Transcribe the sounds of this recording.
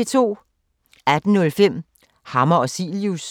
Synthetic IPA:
et͡sʰo̝̰ː | æd̥n̩nɔ̽lfem̰ | hɑ̈mɐɒsḭljus

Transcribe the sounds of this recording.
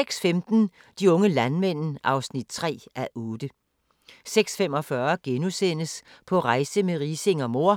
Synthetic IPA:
eɡ̥sfemd̥n̩ | d̥iɔ̽ŋəlænmen̰n̩ʔɑ̈ʊsnid̥t͡sʰʁɛ̰ːʔæʔɔːd̥ə | seɡ̥sfemɒ̽fɶɐɡ̥enusen̰əspʰɒ̽ʁɑ̈ɪsəmeʁiːse̝ŋɒmo̝ɐ̰

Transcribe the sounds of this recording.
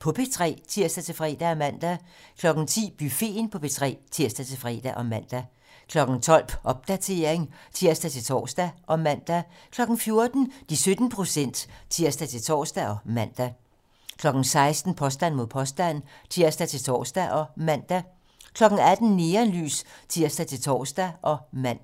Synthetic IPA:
pʰɒ̽pʰe̝t͡sʰʁɛ̰ːt͡sʰiɐ̰sd̥æt͡sʰe̝lfʁɛ̰ːd̥æɒmæn̰d̥ækʰlɒ̽ɡ̥n̩t͡sʰḭːb̥yfe̝̰ːnpʰɒ̽pʰe̝t͡sʰʁɛ̰ːt͡sʰiɐ̰sd̥æt͡sʰe̝lfʁɛ̰ːd̥æʔɒ̽mæn̰d̥æ | kʰlɒ̽ɡ̥n̩t͡sʰɒ̽l̰b̥ʔɒ̽b̥̚d̥æt͡sʰe̝ːɐ̰eŋt͡sʰiɐ̰sd̥æt͡sʰe̝lt͡sʰɒ̰ːsd̥æʔɒ̽mæn̰d̥æ | kʰlɒ̽ɡ̥n̩fjo̝ɐd̥n̩d̥isød̥n̩pʰʁo̝sen̰d̥t͡sʰiɐ̰sd̥æt͡sʰe̝lt͡sʰɒ̰ːsd̥æɒ̽mæn̰d̥æ | kʰlɒ̽ɡ̥n̩sɑ̈ɪsd̥n̩pʰɒ̽sd̥æn̰mo̝ð̰ˠpʰɒ̽sd̥æn̰t͡sʰiɐ̰sd̥æt͡sʰe̝lt͡sʰɒ̰ːsd̥æʔɒ̽mæn̰d̥æ | kʰlɒ̽ɡ̥n̩æd̥n̩ne̝ːɐnly̰ːst͡sʰiɐ̰sd̥æt͡sʰe̝lt͡sʰɒ̰ːsd̥æʔɒ̽mæn̰

